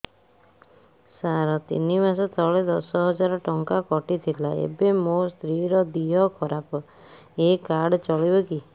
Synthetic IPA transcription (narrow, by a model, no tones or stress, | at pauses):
saɾɔt̪ḭnimasɔt̪ʰɔɭed̪ɔsɔɦɔd͡ʒaɾɔʈɔŋkakɔʈit̪ʰilaḛbemost̪ɾiɾɔd̪iɦɔkʰɔɾapɔ | ekaɽt͡ʃɔɭibɔki